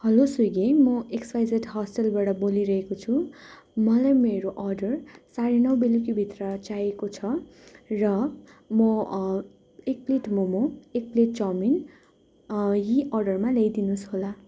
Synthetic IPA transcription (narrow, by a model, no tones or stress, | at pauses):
hʌlosuɡemʌekspajd͡zeʈɦʌsʈelbaɽʌboliɾʌɦekot͡sʰu | mʌlajmeɾoʔʌrɖʌrsaɾinʌwbelikibʱit̪rʌt͡sajekot͡sʰʌrʌ | mʌ | ek̚pleʈmomoek̚pleʈt͡sʌmin | jiʌrɖʌrmalejd̪inusɦola